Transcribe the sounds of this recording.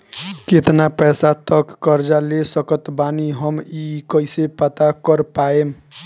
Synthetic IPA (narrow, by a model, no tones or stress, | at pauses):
ket̪napɛsat̪əkːəɾd͡ʒalesəkət̪baniɦəmikəisepət̪akəɾpaem